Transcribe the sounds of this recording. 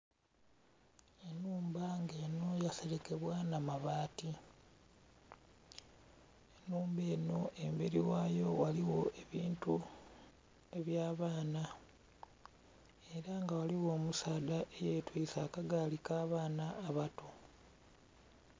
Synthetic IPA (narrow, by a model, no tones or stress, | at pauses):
e̞nuːmbaŋɡe̞ːno̞jase̞ɾe̞ke̞βwanamaβaːti | enuːmbe̞ːno̞ʔe̞mbeɾiwaːjo̞waliwo̞ʔe̞βiːntu | e̞βjaːβaːna | e̞ɾaŋɡawaliwo̞ːmusaːdaʔejetwiːsakaɡalikaːβaːnaːβato̞